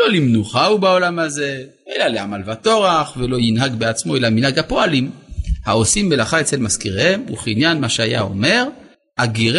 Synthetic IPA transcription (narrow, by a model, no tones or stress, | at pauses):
olimnuχaubao̞lamaze̞ | ʔelaleamalvato̞ʁaχvelo̞jinɦaɡbeat͡smo̞elaminhaɡhapo̞alimhao̞simːelaχaet͡selmaskiʁhemṵχinjanmaʃeajao̞̰me̞ʁ | aɡiʁ